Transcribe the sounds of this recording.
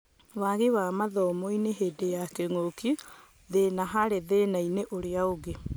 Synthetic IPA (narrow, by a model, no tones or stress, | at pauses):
waɣewamaðɔːmɔineɦedejakeŋoki | ðenaɦaɾeðenaineʔoɾeaoɣe